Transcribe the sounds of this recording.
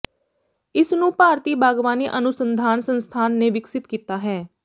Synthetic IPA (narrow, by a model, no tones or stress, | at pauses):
ɪsnũːpaːɾt̪iːbaːɡʋaːniːʔənʊsənd̪ʱaːnsənst̪ʰaːnːeːʋɪksɪt̪kiːt̪aːɦɛː